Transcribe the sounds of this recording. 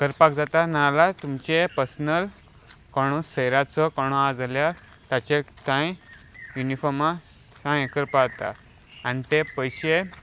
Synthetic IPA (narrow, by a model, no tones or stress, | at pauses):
kəɾpak̚d͡zat̪analat̪umt͡ɕepəɾsənəl | kaɽ̃ũsəjɾat͡sɔkaɽ̃ũad͡zlja | t̪at͡ɕe | t̪ãj̃ | junifɔɾmã | sãjkəɾpat̪a̰ | anit̪epəjɕe